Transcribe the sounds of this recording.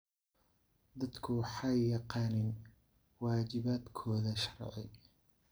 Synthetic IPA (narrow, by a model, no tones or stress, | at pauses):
d̪ɐd̪kʰʊwħɑjjɑqɑːnɪn | wɑːt͡ʃɪβaːd̪kʰɔːðɐʃɐ̥rʕɛ̰j